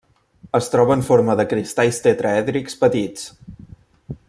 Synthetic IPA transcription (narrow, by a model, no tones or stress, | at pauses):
əst̪ɾɔβəɱfoɾməðəkɾist̪ajst̪et̪ɾəɛðɾikspət̪it͡s